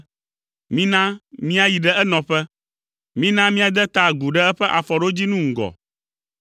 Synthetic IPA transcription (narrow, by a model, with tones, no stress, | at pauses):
mĩ˦nã˦mĩ˦a˨ji˨ɖɛ˦ɛ˦nɔ̃˨ɸɛ˦ | mĩ˦nã˦mĩ˦a˨d̪ɛ˦t̪a˨ɡu˨ɖɛ˦ɛ˦ɸɛ˦ʔa˨fɔ˨ɖo˦d͡ʑi˦nũ˦ŋ̩˨ɡɔ̰˨